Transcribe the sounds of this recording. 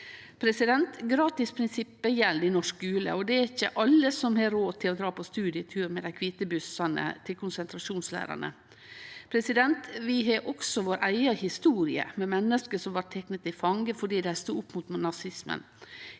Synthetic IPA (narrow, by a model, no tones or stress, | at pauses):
pʰɾɛsɪd̪ɛnt̪ɡɾɑːt̪ɪspʰɾɪnsɪpːəjɛlːd̪ɪnɔʂkɡʉːlə̰ɔd̪ɛæɾɪçːəʔɑlːəsɔmhɑːɾoːt̪ʰɪlɔd̪ɾɑːpʰɔst̪ʉːd̪ɪət̪ʰʉːɾmɛd̪æɪkʰʋiːt̪əbʉsɑnə̰t̪ʰɪlkʰʊnsɛnt̪ʰɾɑʂuːnslæ̰ːɾɑ̰nə̰ | pʰɾɛsɪd̪ɛnt̪ʋɪɦɑʔɔksɔʋoːɾʔæɪɑhɪst̪uːɾɪə̰mɛmɛnːəskəsɔmʋɑʈt̪ʰɛknət̪ɪfɑŋɡəfɔɖiːd̪æhæst̪uːʊpːmut̪mnɑsɪsmə̰n